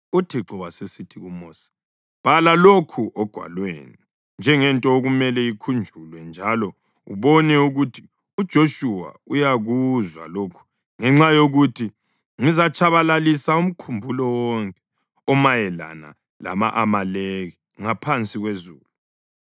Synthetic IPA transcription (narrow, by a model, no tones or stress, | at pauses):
utʰiǁɔwasesitʰiɣumɔːsḁ | b̥ʱalalokʰuʔɔɡ̥ʱwa̰lwḛːni | nd͡ʒʱɛŋɛntʼɔoɣumɛlɛikʰund͡ʒʱulwɛnd͡ʒʱalɔ | ṵβɔnɛuɣutʰi̥ | ud̥ʒ̥ʱoʃuwa̰ | ujaɣuzwa̰lokʰu̥ | ŋɛŋ͡ǁajoɣutʰi | ŋizat͡ʃʼʰaβalalisaum̩kʰumbʱulɔwɔŋkʼɛ̥ | ɔmajɛla̰na̰ | la̰ma̰ʔamaleɣi | ŋapʰant͡sʼiɣwezuːlu